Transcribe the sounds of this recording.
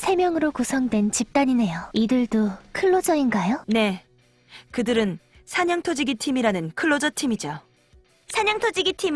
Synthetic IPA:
sʰe̞mjʌŋɯɾokusʰʌŋdwe̞nt͡ɕip̚t͈aɲine̞joidɯɭdokʰɯɭːod͡ʑʌinɡajone̞ | kɯdɯɾɯn | sʰaɲʌŋtʰod͡ʑiɡitʰimiɾanɯnkʰɯɭːod͡ʑʌtʰimid͡ʑo | sʰaɲʌŋtʰod͡ʑiɡitʰim

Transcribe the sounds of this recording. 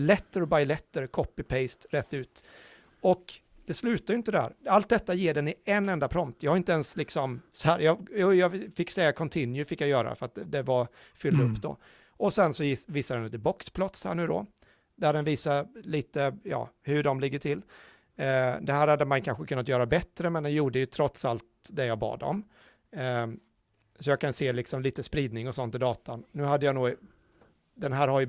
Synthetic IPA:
lɛt̪ːəɾbaɪlɛt̪ːəɾkʰɔpːɪpʰɛɪst̪ɾɛt̪ːʉ̟ːt̪ | ɔk | d̪̥ɛslʉ̟ːt̪ajʏɪnt̪əd̪hæ̰ːɾalt̪̚d̪ɛt̪ːajeːɖɛnɪɛnːɛnd̪apʰɾɔmt̪jɑhaɾɪnt̪əɛnslɪksɔmsɔhæːɾjɑjuːjɑfɪkːsɛjːakʰɔnt̪ʰɪnjʉfɪkːjajœːɾa̰fœɾat̪̚d̪ɛva | fʏld̪ɵpːd̪ɔ̰ | ɔsɛnsɔɪviːsad̪ɛnliːt̪əbɔkspʰlɔt̪shæ̰ːɳʉ̟ːd̪ɔ̰ | d̪æɖɛnviːsaliːt̪əjɑ̰ːhɵɖɔmlɪɡːəʈʰɪlː | d̪ɛɦæːɾhad̪ːəmankʰanɧəkʰɵnːat̪̬jœːɾabɛt̪ːɾəmɛnd̪ɛnjuːɖəjɵt̪ʰɾɔt̪salt̪d̪ɛjɑːbɑ̰ːd̪ɔ̰m | sɔjɑːkʰanseːlɪksɔmliːt̪əspɾiːd̪nɪŋɔsɔnt̪ɪd̪ɑːt̪anːʉ̟ːɦad̪ːəjanuː | d̪ɛnɦæːɾhaɾj

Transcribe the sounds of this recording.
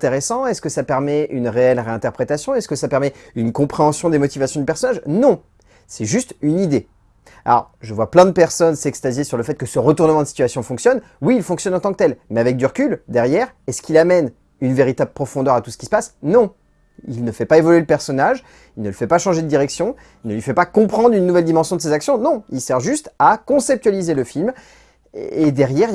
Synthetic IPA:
t̪eʁesɑ̃ɛskəsapɛʁmɛynʁeɛlʁeɛ̃t̪ɛʁpχet̪asjɔ̃ɛskəsapɛʁmɛynkɔ̃pχeɑ̃sjɔ̃d̪emɔt̪ivasjɔ̃d̪ypɛʁsɔnaʒnɔ̃ | sɛʒyst̪ynid̪e | a̰lɔ̰ʁʒəvwaplɛ̃d̪əpɛʁsɔnsɛkst̪azjesyʁləfɛt̪̚kəsəʁət̪uʁnəmɑ̃d̪əsi̥t̪ɥasjɔ̃fɔ̃ksjɔn | wiːlfɔ̃ksjɔnɑ̃t̪ɑ̃kt̪ɛlmɛavɛk̚d̪yʁəkʲyld̪ɛʁjɛʁɛskilamɛn | ynveʁit̪abləpχɔfɔ̃d̪œʁat̪usə̥kʲi̥sə̥pasnɔ̃ | ilnəfɛpaevɔlɥeləpɛʁsɔnaʒ | ilnələfɛpaʃɑ̃ʒed̪əd̪iʁɛksjɔ̃ | ilnəlɥifɛpakɔ̃pχɑ̃d̪ʁynːuvɛld̪imɑ̃sjɔ̃d̪əsezaksjɔ̃nɔ̃ilsɛʁʒyst̪akɔ̃sɛp̚t̪ɥalizeləfilm | ed̪ɛʁjɛʁ

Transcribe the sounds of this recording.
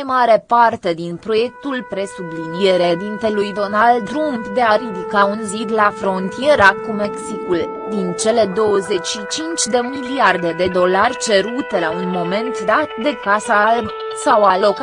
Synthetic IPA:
jmaɾe̞part̪e̞d̪inpɾo̞je̞k̚t̪ulpɾe̞sublinijeɾed̪int̪e̞lujd̪o̞nald̪ɾunpd̪e̞aɾid̪ikaunzit̪lafɾo̞nt̪ie̞ɾakumeksikul | d̪int͡ʃe̞le̞d̪o̞wəze̞t͡ʃʲʃit͡ʃint͡ʃʲd̪e̞miliard̪e̞d̪e̞d̪o̞larʲt͡ʃe̞ɾut̪elaunmo̞me̞nt̪d̪at̪d̪e̞kasalb | sawalo̞k

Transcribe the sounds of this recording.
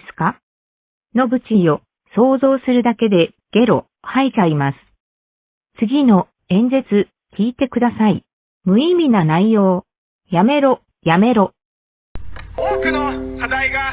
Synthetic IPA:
sɨ̥ka | no̞bɯ̟t͡ɕio̞ | so̞ːzo̞ːsɨɾɯ̟d̪ake̞d̪e̞ | ɡ̥e̞ɾo̞ | hait͡ɕaimasɨ̥ | t͡sɨɡʲino̞ | ẽ̞ɲ̟d͡ʑet͡sɨ | kʲiːt̪e̞kɯd̪asaḭ | mɯ̟imʲinanaijo̞ː | jame̞ɾo̞ | jame̞ɾo̞ | oːkɯ̟nokad̪aiɡa

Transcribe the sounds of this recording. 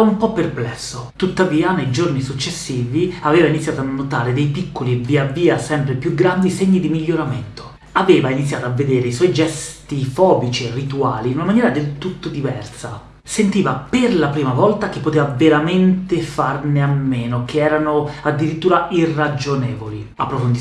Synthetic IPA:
aumpɔpːerplɛsːot̪ut̪ːaviːanejd͡ʒornisut͡ʃːesːiːviaveːvainit̪sːjaːt̪oanːot̪aːɾed̪ejpikːoliebiaviːasɛmpɾepjuɡɾand̪iseɲːid̪imiʎːoɾament̪o̥ | aveːvainit̪sːjaːt̪oavːed̪eːɾeiswɔjd͡ʒɛst̪ifɔːbit͡ʃierːit̪uaːlinunamanjɛːɾad̪elt̪ut̪ːod̪ivɛrsa | sent̪iːvaperlapɾiːmavɔlt̪ak̟epːot̪eːvaveɾament̪efarneamːeːnokʰeɛːɾanoad̪ːiɾit̪ːuːɾaʔirːad͡ʒonɛːvoli | apːɾofond̪

